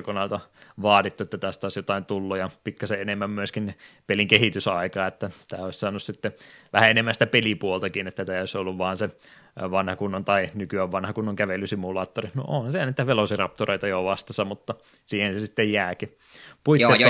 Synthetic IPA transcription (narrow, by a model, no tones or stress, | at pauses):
konɑlt̪ɑʋɑːtit̪ːuet̪ːæt̪æst̪æoˑisjot̪ɑint̪ulːujɑpikːɑseenemːæmmyøskinnpeliŋkehit̪ysɑikɑːet̪ːæt̪æːoˑissɑːnussit̪ːeʋæ̰hæenemːænsi̥t̪æpelipuolt̪ɑkinet̪ːæt̪æːˑioˑisolːuʋʋɑːnse | ʋɑnhɑkunːɑnt̪ɑinykyæʋʋɑnhɑkunːoŋkæʋelːysimːulɑːt̪ːorino̰oːhɑnseniːt̪æʋelosirɑp̚t̪oreit̪ɑjoʋɑst̪ɑsɑmut̪ːɑ | siːhensesit̪ːejjæːki | puit̪ːe